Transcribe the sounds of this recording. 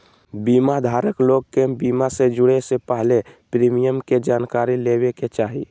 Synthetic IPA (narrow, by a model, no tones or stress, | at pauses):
biːmad̪ʱaːɾəkloɡ̚kebimased͡ʒʊɽesepəɦlepɾimijəmked͡ʒaːnkaɾileweket͡ʃaːɦi